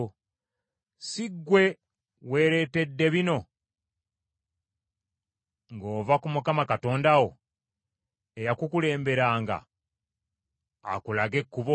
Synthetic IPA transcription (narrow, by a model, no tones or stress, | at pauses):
siɡːwe̞ | we̞ɾe̞te̞dːe̞βino̞ | ŋɡo̞ːvakumukamakato̞ːndawo̞ | ejakukule̞ːmbe̞ɾaːŋɡa̰ | a̰kulaɡe̞kːuβo